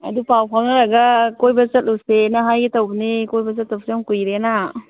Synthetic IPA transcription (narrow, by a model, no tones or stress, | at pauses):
ɐ̰dupawpʰaŋaɾaɡakojbɐzɐt̚lusenaɦajɡitawbnikojbɐzɐt̚ːawsjɔmkujɾena